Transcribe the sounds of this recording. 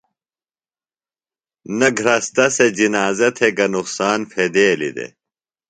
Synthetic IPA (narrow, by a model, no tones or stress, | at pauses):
nɐɡʱɾɐst̪ɐsed͡ʑinaːzɐt̪ʰeɡɐnuqsaːnpʰed̪eːlḭd̪ḛ